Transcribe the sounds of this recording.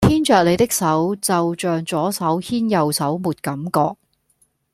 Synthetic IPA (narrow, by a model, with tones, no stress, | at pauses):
t̪ʰiː˥nt͡ʃœː˨k̚le˨˧jt̪ɪ˥k̚sɐ˨˥wt͡sɐ˨wt͡ʃœː˨ŋt͡sɔː˨˥sɐ˨˥whʰiː˥njɐ˨wsɐ˨˥wmuː˨t̚kɐ˨˥mkɔː˧k̚